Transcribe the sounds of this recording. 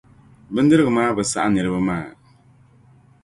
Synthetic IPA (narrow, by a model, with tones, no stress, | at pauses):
bɨ˦n˦dɨ˦ɾɨ˦ɣɨ˨maː˦bɨ˨sa̰˦ʔa˦nɨ˨ɾɨ˦bɨ˦maː˦˨